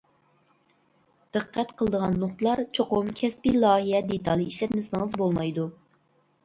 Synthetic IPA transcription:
d̪̥ɨqʰːɛt̪qʰəlˠəd̪əʁɑnːoχt̪ɨlˠɑɾt͡ʃʰoqʊmkʲʰɛspilˠɑːɦijɛd̪et̪ʰɑlˠiiʃlɛt̪mɪsɪŋəzbolˠmɑjd̪u

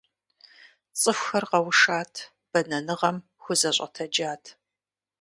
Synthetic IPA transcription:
t͡sʼɨxʷxɐrqɐwʊʂaːtʰ | b̥ɐnɐnɨʁɐm | xʷʊzɐɕʷʼɐ̰tʰɐd͡ʒaːtʰ

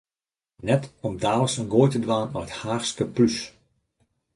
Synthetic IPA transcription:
nɛtɔmdaːləsənɡoːjtədʋaːnɔəthaːrskəplys

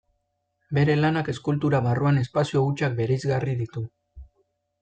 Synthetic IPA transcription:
be̞ɾe̞lanake̞skult̪uɾaβaruane̞spasio̞ɣut͡ʃak̚be̞ɾejzɣariðit̪u

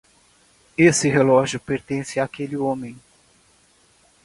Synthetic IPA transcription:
esɪɦelɔʒjʊpeɾt̪ẽsɪaːkelɪõmẽj̃

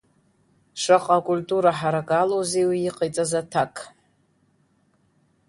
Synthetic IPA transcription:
ʂaqʼakʼulʲtʼuɾaħaɾakʼalozejwijiqʰʼajt͡sʼazatʰakʼ

